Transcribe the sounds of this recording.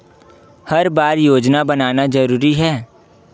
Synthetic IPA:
hɐɾbaːɾjoːd͡ʒnabɐnaːnazɐɾuːɾiɦɛː

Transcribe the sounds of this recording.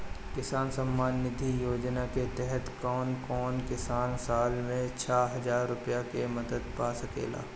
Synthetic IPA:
kɪsaːnsɐmːaːnːɪd̪ʱijoːd͡ʒnaket̪ɛɦɛt̪kɔːnkɔːnkɪsaːnsaːlmẽt͡ʃʰaːɦɐzaːɾːʊpjakemɐd̪əd̪paːsɐkḛːla̰ː

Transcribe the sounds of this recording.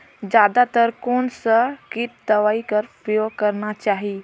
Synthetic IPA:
d͡ʒad̪at̪əɾkonsəkit̪̚d̪əʋaikəɾpɾəjoɡ̚kəɾnat͡ʃaɦi

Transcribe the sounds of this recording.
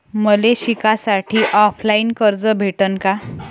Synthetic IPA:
məleɕikasaʈʰiːʔɔflainkəɾd͡zəbʱeʈənka

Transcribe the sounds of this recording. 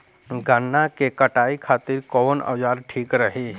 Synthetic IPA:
ɡʱənːakekɐʈaːikʰaːt̪ɪɾkɔːnə̰d͡ʒaːɾʈʰiːkɾəɦe

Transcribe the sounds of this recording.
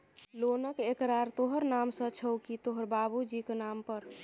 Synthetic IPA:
lonəkekɾaɾt̪oɦəɾnamsə̃t͡ʃʰəwkit̪oɦəɾbabud͡ʒikenampəɾ

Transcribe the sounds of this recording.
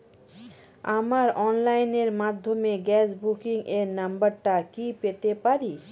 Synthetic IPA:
amaɾɔnlajneɾmad̪ʱːomeɡɛt͡ɕbukiŋeɾnambaɾʈakipet̪epaɾi

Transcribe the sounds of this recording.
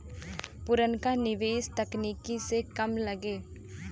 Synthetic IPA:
pʊɾənkanɪʋeːst̪ɐkniːkisekɐmlɐɡeː

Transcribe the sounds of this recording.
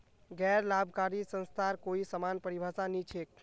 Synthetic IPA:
ɡɛːɾlabʱkaɾisə̃nst̪ʰaɾkoisəmanpəɾibʱasanit͡ʃʰek̚

